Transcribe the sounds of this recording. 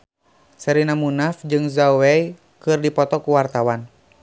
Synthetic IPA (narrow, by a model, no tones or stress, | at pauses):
sɛɾinamunafd͡ʒɨŋzawɛi | kɨrdipɔt̪ɔkuwart̪awan